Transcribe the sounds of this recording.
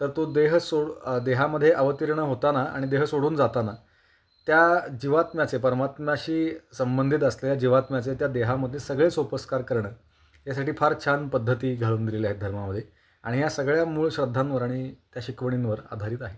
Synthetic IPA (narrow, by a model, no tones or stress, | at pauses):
t̪əɾt̪od̪eɦsoɽd̪eɦaməd̪ʱːjeʔəʋət̪iɾɳ̃əɦot̪anaa̰ɽ̃id̪eɦəsoɽuːnd͡zat̪ana | t̪jad͡ʑiʋat̪mjat͡sepəɾmat̪maɕiːsəmbənd̪ʱit̪əslejad͡ʑiʋat̪mjat͡set̪jad̪eɦaməd̪ʱːjesəɡɭesʋəpəskaɾkəɾɳ̃əː | jas̬aʈiːfaɾt͡ɕʰanpəd̪ʱːət̪iːɡʱaɭuːnd̪ilelaɦet̪̚d̪ʱəɾmaməd̪ʱje | a̰ɽ̃iɦjasəɡɭjamuːɭɕɾəd̪ʱːanʋəɾaɽ̃it̪jaɕikʋəɽ̃inʋəɾa̰d̪ʱaɾiːt̪aɦe